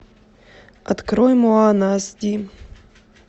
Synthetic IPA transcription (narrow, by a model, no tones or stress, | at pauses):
ɐt̪kɾɔjmoanasd̪ʲi